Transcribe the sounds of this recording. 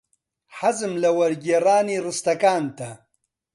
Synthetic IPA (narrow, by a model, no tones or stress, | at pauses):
ħazɨmlɐwɐɾɡeːraːniːrɨst̪ɐkaːnt̪ɐ